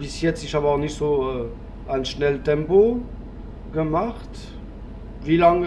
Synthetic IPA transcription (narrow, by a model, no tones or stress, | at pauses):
b̥isjɛt͡stɪʃhaːbəaχnɪtz̥oːø | aɪnʃnɛltɛmpo | ɡ̥əmaχt | viːlaŋ